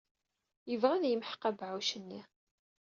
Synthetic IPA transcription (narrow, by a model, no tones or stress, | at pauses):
jəvʁæðjəmħqæbʕuʃənːi